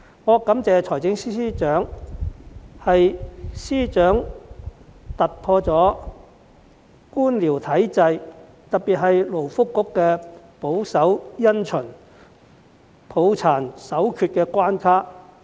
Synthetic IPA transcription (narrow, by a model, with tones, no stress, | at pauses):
ŋɔː˨˧kɐ˨˥mt͡sɛː˨˧t͡ʃʰɔː˨˩jt͡sɪ˨˥ŋsiː˥iː˥t͡ʃœː˨˥ŋ | hɐ˨jsiː˥t͡ʃœː˨˥ŋ | t̪ɐ˨t̚pʰɔː˧t͡sɔː˨˥ | kuː˥nliː˨˩wt̪ʰɐ˨˥jt͡sɐ˧j | t̪ɐ˨t̚pi˨t̚ɦɐ˨jlo˨˩wfʊ˥kːʊ˥kːɛː˧ | po˨˥wsɐ˨˥wjɐ˥nt͡ʃʰɵ˨˩n | pʰo˨˧˥wt͡sʰaː˨˩nsɐ˨˥wkʰyː˧t̚kɛː˧kʷaː˥nkʰaː˥